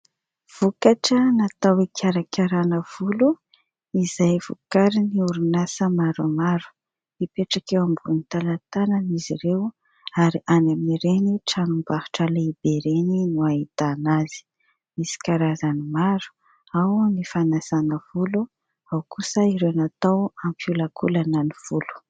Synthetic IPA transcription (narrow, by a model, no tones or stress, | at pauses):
v̥ukaʈ͡ʂənat̪awikʰʲaɾakʰʲaɾanəv̥ulu | izajv̥ukaɾiniuɾunasəmaɾumaɾu̥ | ipeʈ͡ʂakewambunit̪alat̪ananiziɾew | aɾiʔanaminiɾeniʈ͡ʂanumbahu̥ʈ͡ʂaleibeɾeninuaɦit̪anazi̥ | misi̥kaɾazanimaɾu̥ | awmifanasanəv̥ulu | awkʰusəiɾenat̪awampiulakʰulanəniv̥ulu̥